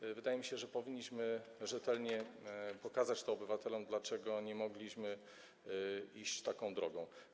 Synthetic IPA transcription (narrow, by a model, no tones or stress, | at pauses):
vɘd̪ajɛmʲiɕɛʐɛpɔvʲiɲːiɕmɘʐɛt̪ɛlɲɛpɔkazat͡ɕt̪ɔːbɘvat̪ɛlɔmd̪lat͡ʂɛɡɔɲɛmɔɡlʲiɕmɘ | iɕt͡ɕt̪akɔ̃w̃d̪ɾɔɡɔ̃w̃